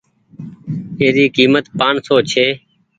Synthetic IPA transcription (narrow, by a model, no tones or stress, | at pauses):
eːɾiːkiːmət̪paːnsoːt͡ʃʰeː